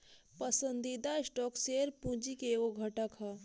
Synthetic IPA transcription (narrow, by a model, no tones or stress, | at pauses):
pəsə̃nd̪id̪aɪsʈɔːkseːɾpũːd͡ʒikeoɡʱɐʈəkɦɐ